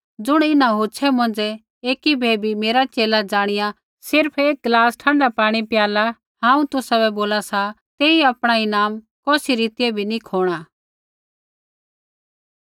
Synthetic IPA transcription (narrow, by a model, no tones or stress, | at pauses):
d͡zʊɽ̃ɪnãɦoːt͡ʃʰɛmɐ̃nd͡zɛ | eːkibʱeːbʱimeːɾat͡ʃeːlad͡zaːɽ̃ɪja | sɪɾpʰeːk̚ɡlaːsʈʰãːɳɖapaːɽ̃ipɪjaːla | ɦãːũt̪ʊsabɛboːlasa | t̪ɛːĩapɽ̃ainaːm | kɔːsiɾiːt̪ɪjɛbʱinikʰoːɽ̃a